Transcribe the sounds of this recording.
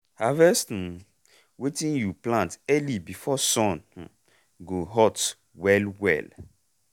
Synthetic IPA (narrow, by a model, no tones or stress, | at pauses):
havɛstn | wetĩnjuplãntɛlibifɔsɔ̃n | ɡoɦɔt | wɛlwɛ̰l